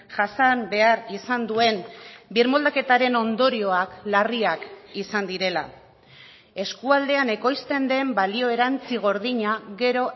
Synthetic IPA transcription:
ʝasambe̞aɾisand̪ue̞nbiɾmo̞ld̪ake̞t̪aɾe̞no̞nd̪o̞ɾio̞aklariakisand̪iɾe̞la̰ | e̞skuald̪e̞ane̞ko̞jst̪e̞nd̪e̞mbalio̞e̞ɾant͡siɣ̞o̞ɾðiɲaɣe̞ɾo̞

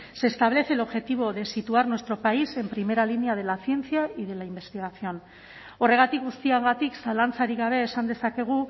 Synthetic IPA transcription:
se̞ːst̪aβ̞le̞θe̞lo̞βʝe̞t̪iβ̞o̞ðe̞sit̪uaɾnwest̪ɾo̞paise̞mpɾime̞ɾalineað̞e̞laθje̞nt͡siaiðe̞laimbe̞st̪iɣ̞asio̞n | o̞re̞ɣat̪ik̚ɡust̪iaŋɡat̪iksalant͡saɾiɣaβ̞e̞ːsand̪e̞sake̞ɣ̞u

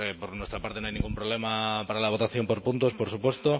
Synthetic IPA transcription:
epoɾnwe̞st̪ɾapaɾt̪enoajnĩŋɡumpɾole̞mapaɾalaβ̞o̞t̪aθjo̞mpo̞ɾpunt̪o̞spoɾsupwe̞st̪o

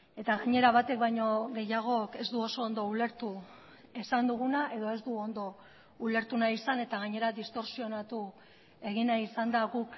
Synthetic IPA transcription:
e̞t̪aɣaɲe̞ɾaβ̞at̪e̞k̚bajɲo̞ɣe̞jaɣ̞o̞ke̞zd̪uo̞so̞ːnd̪o̞ule̞ɾt̪u | esand̪uɣ̞unaʔe̞ðo̞e̞zd̪uo̞nd̪o̞ | ule̞ɾt̪unaisane̞t̪aɣaɲe̞ɾaðist̪o̞ɾsio̞nat̪u | e̞ɣinaisand̪aɣuk

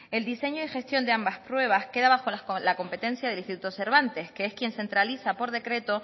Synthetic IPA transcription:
e̞ld̪ise̞ɲoixe̞st̪jo̞nd̪eambaspɾwe̞β̞aske̞ðaβaxo̞lalako̞mpe̞t̪e̞n̟θjað̞elist̪it̪ut̪ose̞ɾβ̞ant̪e̞skeeskje̞nse̞nt̪ɾaliθapo̞ɾðe̞kɾe̞t̪o̞

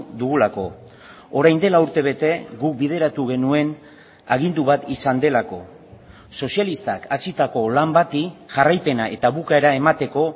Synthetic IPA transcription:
d̪uɣulako̞ | oɾajnd̪e̞lauɾt̪e̞β̞e̞t̪e̞ɡuk̚bið̞e̞ɾat̪uɣ̞e̞nue̞n | aɣ̞ind̪uβat̪isand̪e̞lako̞ | so̞sialist̪akasit̪ako̞lambat̪iʝarajpe̞naʔe̞t̪aβukaeɾae̞mat̪e̞ko̞

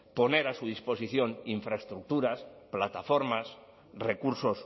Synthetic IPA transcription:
po̞neɾasuðispo̞siθjo̞ŋiɱfɾaest̪ɾuk̚t̪uɾasplat̪afo̞ɾmas | rekuɾso̞s

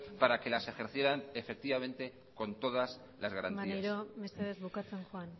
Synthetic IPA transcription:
paɾake̞lase̞xe̞ɾθje̞ɾanefe̞k̚t̪iβamẽ̞nt̪e̞ | ko̞nt̪o̞ð̞as | lazɣaɾa̰nmaiaeɾomesθeðezβukat͡se̞nxoan

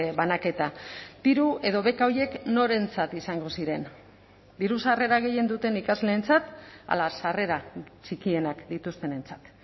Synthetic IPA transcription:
βanake̞t̪ad̪̥iɾue̞ð̞o̞βe̞kaoɾje̞kno̞ɾe̞nt͡sat̪isaŋɡo̞siɾe̞n | d̪iɾusare̞ɾaɣ̞e̞je̞nd̪ut̪e̞nikazle̞ːnt͡sat̪a̰lasare̞ɾat͡ʃikie̞nakd̪it̪ust̪e̞ne̞nt͡sḁt̪

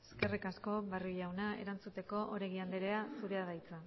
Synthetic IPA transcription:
eske̞rikasko̞βaruʝawnae̞̰ɾant͡sut̪e̞ko̞ʔoɾeɣiand̪eɾe̞asuɾe̞aðajt͡sa

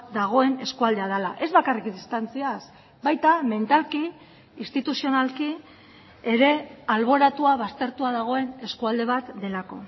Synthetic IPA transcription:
d̪aɣ̞o̞e̞ne̞skuald̪e̞að̞alaʔe̞zβakarikdist̪ant͡sias | bajt̪ame̞nt̪alkiː | st̪it̪usio̞nalki | e̞ɾe̞alβ̞o̞ɾat̪uaβ̞ast̪e̞ɾt̪uaðaɣ̞o̞e̞ne̞skuald̪e̞β̞at̪d̪e̞lako̞̰

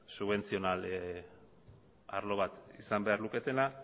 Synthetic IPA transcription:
suβe̞nt͡sio̞nal | a̰ɾlo̞βat̪isambe̞aɾluke̞t̪e̞na

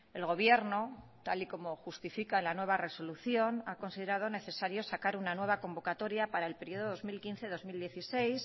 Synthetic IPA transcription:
e̞lɣo̞β̞je̞ɾno̞t̪aliko̞mo̞xust̪ifikaenlanwe̞β̞are̞so̞luθjo̞nako̞nsiðe̞ɾað̞o̞ne̞θe̞saɾjo̞sakaɾunanwe̞β̞ako̞mbo̞kat̪o̞ɾjapaɾaelpe̞ɾjio̞ðoðo̞zmilkinθe̞ðo̞zmild̪je̞θisejs

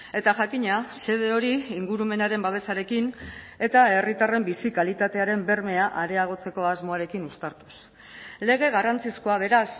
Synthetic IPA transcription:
e̞t̪aʝakiɲase̞ð̞e̞o̞ɾiːŋɡuɾume̞naɾe̞mbaβ̞e̞saɾe̞kin | e̞t̪ae̞rit̪are̞mbisikalit̪at̪e̞aɾe̞mbe̞ɾme̞aʔaɾe̞aɣ̞o̞t͡se̞ko̞azmo̞aɾe̞kinust̪aɾt̪us | le̞ɣ̞e̞ɣarant͡sisko̞aβ̞e̞ɾas

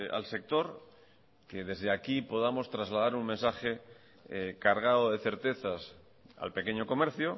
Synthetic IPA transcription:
a̰lse̞k̚t̪o̞ɾ | ke̞ð̞e̞zðeakipo̞ðamo̞st̪ɾazlað̞aɾuŋmensaxe̞ | kaɾɣ̞aðoðe̞θe̞ɾt̪e̞θas | a̰lpe̞keɲo̞ko̞me̞ɾθjo

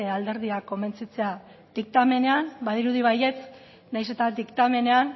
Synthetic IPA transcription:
eald̪e̞ɾðiako̞me̞nt͡sit͡se̞a | d̪̥ik̚t̪ame̞ne̞anbað̞iɾuðiβaje̞t͡s | najs̬e̞t̪ad̪ikt̪ame̞ne̞an

